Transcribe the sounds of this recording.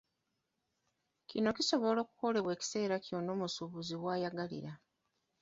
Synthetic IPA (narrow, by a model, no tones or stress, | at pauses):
cino̞kiso̞βo̞lo̞ːku̥ko̞le̞βwe̞ːci̥se̞ːɾaco̞no̞ːmusuβuziwaːjaɡalḭɾa